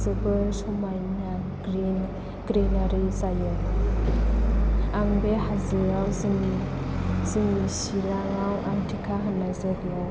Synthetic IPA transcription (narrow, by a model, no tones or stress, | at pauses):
zɯbɯsɔmajna | ɡɾin | ɡ̥ɾenaɾizajɯ | aŋbeɦazɯɾawzɯŋi | zɯŋisiɾaŋawʔaŋtʰikʰaɦanajzaɡia